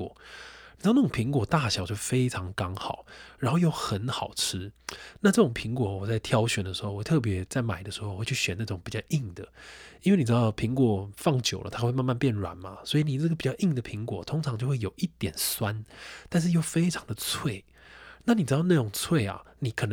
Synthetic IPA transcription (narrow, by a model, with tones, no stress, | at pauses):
ni˨˩˧na˥˩ʊ˨˩pʰi˧˥ŋkwɔ˨˩t̪a˥˩ɕjɑ˨˩ʊt͡ɕjo˥˩ʊfe˥ɪʈ͡ʂʰɑ˧˦ŋkɑ˥ŋxɑ˨˩˦ʊɻa˨˧˥nxo˥˧ʊjo˥˩ʊxə˧˦nxɑ˨˩ʊʈ͡ʂʰɻ̩˦˥na˥˧ʈ͡ʂɤ˥˩ʈ͡ʂʊ˨˩ŋpʰi˧˥ŋkwɔ˧˩˦wɔ˨˩t͡sa˥˩ɪt̪ʰjɑ˥ʊɕɥɛ˨˩nd̪ə˦ʂɻ̩˧˦xo˥˩ʊwɔ˨˩t̪ʰɤ˥˩p̬jɛ˧˥t͡sa˥˩ɪma˨˩ɪd̪ə˦ʂɻ̩˧xo˥˩˨we˥˩t͡ɕʰy˥˩ɕɥɛ˨˦nd̪ə˧ʈ͡ʂɤ˥˩ʊ˨˦ŋpi˨˩t͡ɕjɑ˥˧ʊʔi˥˩ŋd̪ə˨i˥nwe˥˩ɪn˨˩ɻ̩˧d̪ɑ˥˩ʊpʰi˧˥˦ŋkwɔ˨˩fɑ˥˩ŋt͡ɕjo˨˩ʊlə̰˦t̪ʰa˥xwe˥˧ma˥˧nma˥˧npjɛ˥˩nɻwa̰˨˦nma̰˦swɔ˧˥i˧˨ni˨˩ʈ͡ʂə˥˩ɡəpi˨˩t͡ɕjɑ˥˧ʊʔi˥˩ŋd̪ə˩pʰi˧˥ŋkwɔ̰˨˩t̪ʰʊ˥ŋʈ͡ʂʰɑ˧˦ŋt͡ɕo˥˧ʊxwe˥˩jo˨˩ʊʔi˥˩t̪jɛ˨˩nswa˦nt̪a˥˧nʂ̬ɻ̩˥˧jo˥˩ʊfe˥ɪʈ͡ʂʰɑ˧˦ŋd̪ə˨t͡sʰwe˥˩ɪ | na˥˩ni˨˩ʈ͡ʂɻ̩˧˥ɑ˥˧na˥˩ʈ͡ʂʊ˨˩ŋt͡sʰwe˥˩ɪa̰˨˩ni˨˧˥kʰɤ˨˩n˧